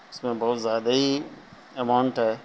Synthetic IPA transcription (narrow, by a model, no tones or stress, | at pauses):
ɪsmẽbɔːt̪zjaːd̪ai | emaʊɳʈɦaeː